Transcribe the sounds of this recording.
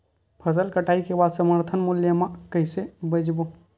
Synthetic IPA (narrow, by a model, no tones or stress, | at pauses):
pʰəs̬əlkəʈaikebad̪səməɾt̪ʰənmuljəmãkəɦɪsebəd͡ʒbo